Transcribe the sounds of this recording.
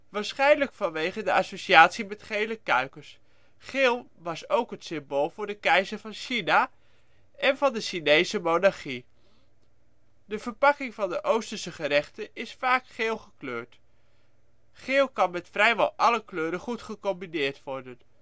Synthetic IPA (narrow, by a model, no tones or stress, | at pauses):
ʋaːɹsχɛjnləkfɑnʋejχəndəʔɑsoʃiaːtsimɛtχejləkœɥkəɹs | χɪːlˠʋɑsowkɦətsɪmboːlˠvʊːɹdəkɛjzəɹvɑnʃina | ɛnvɑndəʃinejzəmownɑɹχi | dəv̥əɹpɑkɪŋvɑndəʔowstəsəχəɾɛχtəɪsfaːkχeːlˠχəkløːɹt | χɪːlˠkɑnmɛtfrɛjʋɑ̰lˠʔɑləkløːɾəχutχəkɔmbinɪːɹtʋɔɹdən